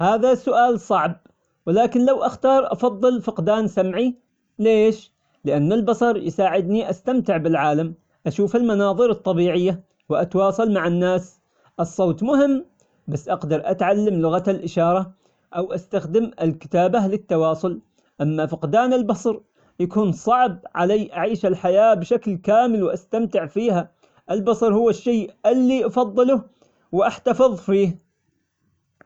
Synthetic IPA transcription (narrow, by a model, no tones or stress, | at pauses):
haːðasʊʔaːlsˤɑʕb̚ | wɪlaːkɪnlawʔaxt̪ɑːɾˤʔɑfɑðˤːɨlfɪqd̪aːnsamʕi | leːʃ | lɪʔanːalbɑsˤɑɾˤjsaːʕɪd̪niʔast̪amt̪ɪʕbɪlʕaːlam | ʔaʃuːfɪlmɑnɑːðˤɨɾɨt̪ˤːɑbiːʕɪjːa | wɪʔat̪wɑːsˤɑlmaʕanːaːs | ʔɨsˤːoːt̪ˤmʊhɪmː | basːʔɑɡd̪ɑɾˤʔat̪ʕalːamlʊɣat̪alʔɪʃɑːɾˤɑ | ʔawʔast̪axd̪ɪmɪlkɪ̥t̪aːbalɪt̪ːɑwɑːsˤʊl | ʔamːafɪqd̪aːnɪlbɑsˤɾ | jakuːnsˤɑʕbʕalaːʔaʕiːʃalħajaːbʃaklkaːmɪlwʔast̪amt̪ɪʕfiːha | ʔɪlbɑsˤɑɾˤhʊwːaʃːeːʔɪlːiʔɑfɑðˤːɨlʊ | wʔaħt̪afɨðˤfiːh